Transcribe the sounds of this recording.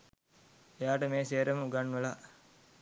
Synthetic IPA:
ejaːʈəmeːseːɾɐməuɡanːʋəla

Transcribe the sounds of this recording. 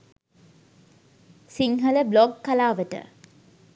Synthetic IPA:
siŋɦələblɔɡkalaːʋəʈə̰

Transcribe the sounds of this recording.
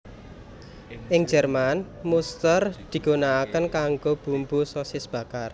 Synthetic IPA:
ʔɪŋd͡ʒərmanmust̪ərd̪̥i̤ɡ̥o̤naːkənkaŋɡob̥umbusɔsɪsb̥a̤kar

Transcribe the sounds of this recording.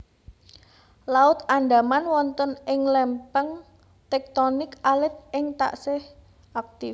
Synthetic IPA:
laʊt̪anɖa̤manwɔnt̪ənɪŋlɛmpəŋ | t̪ɛk̚t̪onɪkalɪt̪̚ɪŋt̪a̰ʔsɪh | ʔak̚t̪ɪf

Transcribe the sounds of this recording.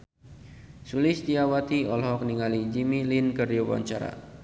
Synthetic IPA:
sulɪsd̪iawat̪iɔlɦɔk̚niŋalid͡ʒimilinkəriowa̰ɲt͡ʃa̰ɾa̰

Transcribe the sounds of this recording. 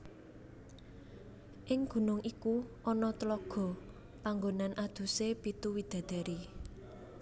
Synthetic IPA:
ʔɪŋɡ̥ṳnʊŋʔikuʔɔnɔt̪əlɔɡ̥ɔ̤ | paŋɡonanʔad̪̥ṳsepit̪uwid̪̥a̤d̪̥ɛ̤ɾi

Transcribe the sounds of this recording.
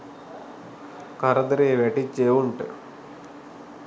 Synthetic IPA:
kɐɾɐd̪ɾiʋeʈit͡ʃːewuɳʈ

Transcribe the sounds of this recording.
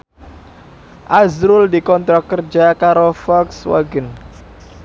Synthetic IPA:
ʔazɾʊld̪ikɔnt̪ɾɔkərd͡ʒakaɾofɔkswa̰ɡən

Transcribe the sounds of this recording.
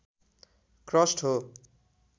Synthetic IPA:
krʌsʈɦo

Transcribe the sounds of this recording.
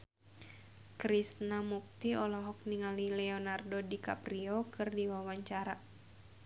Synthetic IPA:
kɾisnamuk̚t̪iɔlɔɦɔk̚niŋalilɛɔnardodika̰priɔkɨrdiwawaɲt͡ʃaɾa

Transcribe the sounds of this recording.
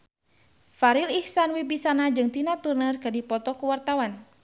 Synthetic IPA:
faɾilihsanwibisanad͡ʒɨŋt̪inat̪urnərkɨdipɔt̪ɔkuwart̪awan

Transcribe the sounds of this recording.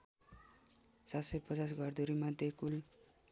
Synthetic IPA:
sat̪sʌjpʌt͡sas̬ɡʱʌrd̪uɾimad̪ʱjekul

